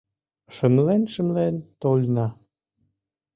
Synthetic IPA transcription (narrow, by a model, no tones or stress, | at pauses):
ʃə̆mlenʃəmlent̪olʲnɑ